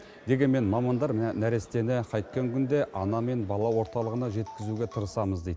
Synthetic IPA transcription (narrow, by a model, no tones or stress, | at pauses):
d̪e̞ɡʲe̞nme̞nmɑmɑnd̪ɑɾnæɾe̞st̪e̞nɪqʰɑjt̪̚kʲːeŋkʲʰʏnd̪e̞ʔɑnɑme̞nbɑlˠɑwo̞ɾt̪ɑlˠəʁənɑʒe̞t̪kʲɪzuɡʲe̞t̪ʰəɾəsɑməzd̪ejd̪